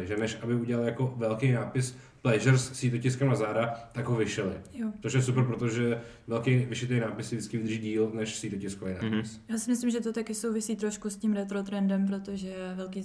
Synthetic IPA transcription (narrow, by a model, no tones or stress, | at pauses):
ʒɛnɛʃʔabɪuɟɛlalɪjakovɛlkejnaːpɪs | plɛʒɛɾsːiːt̪ocɪskɛmnazaːdat̪aɡɦovɪʃɛlɪ̰jot̪t͡soʃ̬jɛs̬upɾpɾot̪oʒɛvɛlkejvɪʃɪt̪ejnaːpɪsɪdɪt͡skɪvɪd̪rʒiːɟiːlnɛʃsiːt̪ocɪskovejna̰ːpɪsjaːsɪmɪslɪmʒɛt̪ot̪akɪsowvɪsiːt̪ɾo̞ʃkuscimɾɛt̪ɾot̪ɾɛndɛmpɾot̪oʒɛvɛlkiː